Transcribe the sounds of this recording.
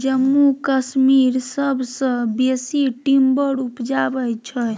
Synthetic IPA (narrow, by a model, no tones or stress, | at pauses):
d͡ʒəmːukəsmiɾsəbʱsə̃besiʈimbəɽupd͡ʒabɛt͡ʃʰə